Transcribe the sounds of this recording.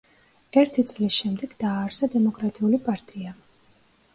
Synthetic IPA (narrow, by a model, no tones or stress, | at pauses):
ɛɾt̪ʰit̪sʼlisʃɛmd̪ɛɡ̥d̪aːɾsad̪ɛmɔkʼɾat̪ʼiulipʼaɾt̪ʼia